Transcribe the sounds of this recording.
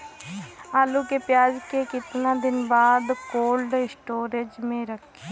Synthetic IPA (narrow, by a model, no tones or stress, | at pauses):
aːluːkeːpjaːd͡ʒkeːkɪt̪nãːd̪ɪnbaːd̪koːlɖsʈoːɾed͡ʒmẽːɾəkʰe